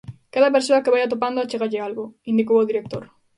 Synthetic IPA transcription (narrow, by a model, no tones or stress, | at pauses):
kaðɐp̬eɾsoɐkeβajat̪̬op̬and̪oat͡ʃeɣaʎɪalɣoind̪ik̬owoðiɾek̚t̪oɾ